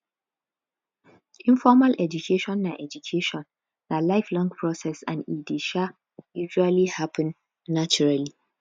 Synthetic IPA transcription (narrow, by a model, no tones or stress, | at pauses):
ʔĩɱfɔmalʔɛd͡ʒukʰeʃɔ̃nːaʔɛd͡ʒukʰeʃɔ̃nː | alaɪflɔ̃ŋɡpʰɹɔsɛsã̰nidiʃa | juʒualihapʰɛ̃nː | at͡ʃuɹali